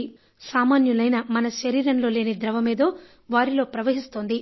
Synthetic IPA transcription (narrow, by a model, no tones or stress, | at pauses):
saːmaːnjulɐjnɐmɐnɐʃɐɾiːɾɐnlo̞ːle̞ːnid̪ɾɐʋɐmeːd̪oː | ʋaːɾilo̞ːpɾɐʋɐɦist̪oːnd̪i